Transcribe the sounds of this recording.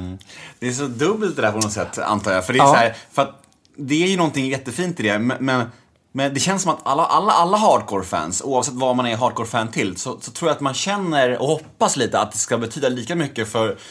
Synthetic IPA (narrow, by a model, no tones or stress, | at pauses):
d̪̥ɛːʂɔd̪ɵbːəlt̪d̪ɛd̪æɾpʰɔnɔt̪sɛt̪ːa̰nt̪ʰɑːɾjafœɖɛsæːɾfœɾat̪̚ | d̪ɛæːɾjɵnɔnt̪ɪŋjɛt̪ːəfiːnt̪ɪd̪ɛmɛmɛn | mɛnd̪ɛɕɛnsɔmat̪ʰalːaʔalːaʔalːaɦɑːɖ̚kʰoːɾfæ̰ːnsṵːavsɛt̪ːvamanæɾɦɑːɖ̚kʰoːɾfæːnt̪ʰɪlːsɔsɔt̪ʰɾuːɾjat̪manɕɛnːəɾɔ̰hɔpːasliːt̪əa̰t̪̚d̪ɛskabɛt̪ʰyːd̪aliːkamʏkːəfœɾ